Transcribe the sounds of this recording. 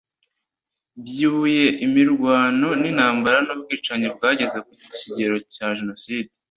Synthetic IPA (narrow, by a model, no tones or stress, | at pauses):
bjuːje̞ʔimiɾɡwaːno̞nin̥haːmbaɾanubɡiːt͡ʃaɲibɡaːɟe̞ze̞kuɟiciɟe̞ɾo̞caʒeno̞siːde